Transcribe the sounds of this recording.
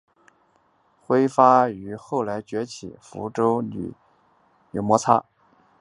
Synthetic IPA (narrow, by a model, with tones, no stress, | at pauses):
xwe˥ɪfa˥y˧˥xo˥˩ʊla˧˥ɪt͡ɕɥɛ˧˥t͡ɕʰḭ˨˩fṵ˧˥ʈ͡ʂo˥ʊny̰˨˩ | jo˨˩ʊmwɔ˧˥t͡sʰa̰˥